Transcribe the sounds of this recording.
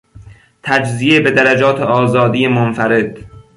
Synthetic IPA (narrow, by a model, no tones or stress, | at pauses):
t̪ʰæd͡ʒzijebe̞d̪æɾæd͡ʒɒːt̪ʰeʔɒːzɒːd̪ijemonfæɾe̞d̪̥